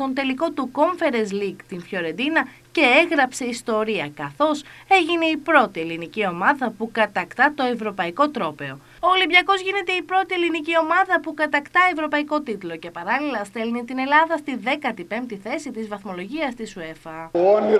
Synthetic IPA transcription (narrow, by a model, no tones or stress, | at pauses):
t̪o̞nt̪e̞liko̞t̪uko̞ɱfe̞ɾezliɡt̪infço̞ɾe̞nd̪inɐ | ce̞eɣɾɐpse̞ist̪o̞ɾiɐkɐθo̞se̞ʝine̞ipɾo̞t̪ie̞linicio̞mɐðɐpukɐt̪ɐkt̪ɐt̪o̞e̞vɾo̞pɐiko̞t̪ɾo̞pe̞o̞ | olibʝɐko̞zʝine̞t̪e̞ipɾo̞t̪ie̞linicio̞mɐðɐpukɐt̪ɐkt̪ɐevɾo̞pɐiko̞t̪it̪lo̞ce̞pɐɾɐlilɐst̪e̞lnit̪ine̞lɐðɐst̪iðe̞kɐt̪ipe̞mt̪iθe̞sit̪izvɐθmo̞lo̞ʝiɐst̪isue̞fɐo